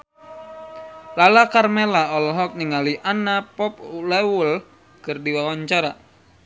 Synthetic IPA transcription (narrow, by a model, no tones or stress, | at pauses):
lalakarmelaɔlɔɦɔk̚niŋaliʔanapɔp̚ulɛwul | kɨrdiwawaɲt͡ʃaɾa